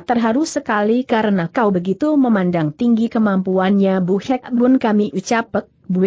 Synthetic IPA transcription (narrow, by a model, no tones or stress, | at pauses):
t̪ərɦaɾʊsəkalikaɾənakaubəɡit̪uməmandaŋt̪iŋɡikəmampuanɲabuhɛkbʊnkamiʔut͡ʃapək̪̚bu